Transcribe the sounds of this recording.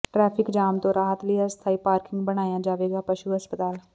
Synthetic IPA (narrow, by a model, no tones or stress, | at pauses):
ʈɾɛːpʰɪkd͡ʒaːmt̪õːɾaːɦt̪lɪast̪ʰaːiːpaːɾkɪ̃ŋɡbəɽ̃aːjãːd͡ʒaːʋeːɡaːpəʃuːɦəspət̪aːl